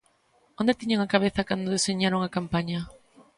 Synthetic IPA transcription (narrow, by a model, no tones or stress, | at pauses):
õnd̪et̪iɲaŋakaβ̞eθɐkand̪oðeseɲaɾoŋakampaɲɐ